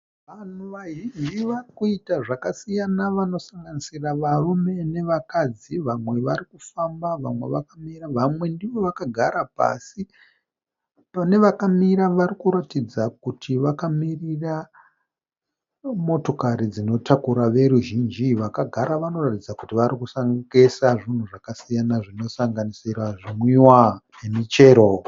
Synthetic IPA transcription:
ʋan̤uʋaʒind͡ʒiʋarikuitaʐakasijanaʋano̞saŋɡanisiraʋarume̞ne̞ʋakad͡ziʋamwe̞ʋaɾikufambaʋa̰mwe̞̰ʋakamiraʋamwe̞ndiʋo̞ʋakaɡʱaɾapa̰si | pane̞ʋakamiɾaʋarikuɾatid͡zakutʰiʋakamirira | mo̞to̞kaɾid͡zino̞tʰakuɾaʋe̞ɾuʒind͡ʒiʋakaɡʱaɾaʋano̞ratid͡zakutiʋaɾikusaŋɡesaʐin̤uʐakasijanaʐino̞saŋɡanisiraʐimwiwane̞mit͡ʃe̞ːɾo

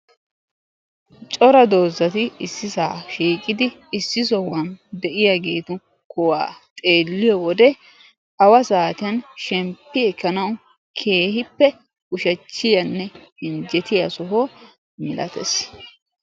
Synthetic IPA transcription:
t͡ʃʼɔɾɐd̪o̞ːzːɐt̪ɪɪsːɪsaːʃiːkʼɪd̪ɪː | sːɪs̬ɔwɐnd̪ɛʔɪjaɡeːt̪ʊ | kʊwaːt̪ʼe̞ːlːɪjɔwɔd̪ɛ | ʔɐwɐsaːt̪ɪjɐnʃɛmpːɪɛkːɐnɐwʊ | kʰe̞ːhɪpːɛ | ʊʃɐt͡ʃːɪjɐnːɛɪnd͡ʒɛt̪ɪjɐsɔɦoː | mɪlʔɐ̰t̪ɛ̰s

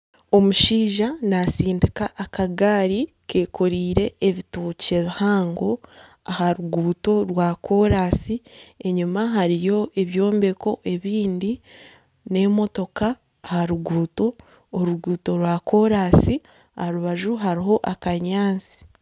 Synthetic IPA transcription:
o̞muʃiːʒanasiːndikaʔːkaɡaːɾi | ke̞ːkʰo̞ɾiːɾe̞ːβituːce̞βihaːŋɡo̞ | ahaɾuɡuːto̞ɾwakʰo̞ɾaːsie̞ɲumaɦaɾijo̞ʔe̞βjo̞ːmbe̞ko̞ʔe̞βiːndi | ne̞mo̞to̞kaː | haɾuɡuːto̞ː | ɾuɡuːto̞ɾwako̞ɾasi | ahaɾuβaʒuɦaɾiɦo̞ʔakaɲaːnt͡si̥

